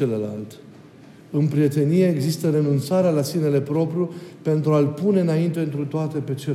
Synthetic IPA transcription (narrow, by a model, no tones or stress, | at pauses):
eləla̰lt̪ | ɨnpɾije̞t̪e̞nije̞ːɡzist̪əɾe̞nunt̪saɾealasine̞le̞pɾo̞pɾʲjupe̞nt̪ɾualpune̞ɨnaint̪e̞ɨnt̪ɾut̪oat̪e̞pe̞t͡ʃe